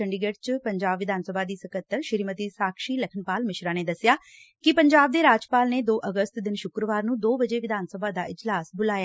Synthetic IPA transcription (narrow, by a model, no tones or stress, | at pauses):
əɳɖiɡəʈt͡ʃpəɲd͡ʒaːbʋɪd̪aːnsəbʱaːd̪iːsəkət̪ːəɾʃɪɾimət̪iːsaːkʰʃiːləkʰənpaːlmɪʃɾaːneːd̪əsɪjaːkɪpəɲd͡ʒaːb̚d̪eːɾaːd͡ʒpaːlneːd̪oːʔəɡəst̪d̪ɪnʃʊkɾəʋaːɾnũːd̪oːbəd͡ʒeːʋɪd̪aːnsəbʱaːd̪aːʔɪd͡ʒlaːsbʊlaːj